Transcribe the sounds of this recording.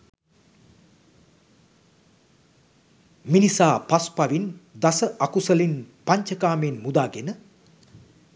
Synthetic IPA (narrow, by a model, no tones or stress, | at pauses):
minisaːpaspaʋind̪asəʔakusəlinpaɲt͡ʃəkaːmeːnmud̪aːɡenə